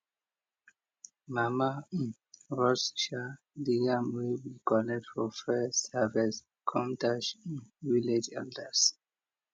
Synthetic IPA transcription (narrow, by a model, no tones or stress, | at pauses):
mama | ɹɔsʃa | liamiwikɔnɛk̚tfɔfɛsɛvɛs | kʰɔ̃mtaʃwiled͡ʒɛ̰ldəs